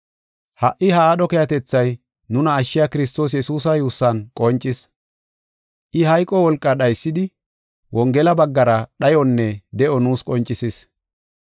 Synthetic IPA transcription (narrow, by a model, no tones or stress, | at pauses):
hɐʔɪhɐaːɗɔkɛjɐt̪ɛt͡sːɐj | nʊnɐːʃːɪjakɪɾɪs̬t̪o̞ːs̬jɛsuːs̬ɐjuːsːɐnkʼɔnt͡ʃʼːɪs | ʔɪɦɐjkʼːɔwɔlkʼːɐɗɐjsːɪd̪ɪ | wɔŋɡɛlɐbɐɡːɐɾɐɗɐjɔnːɛd̪ɛʔɔnuːskʼɔnt͡ʃʼːɪsɪs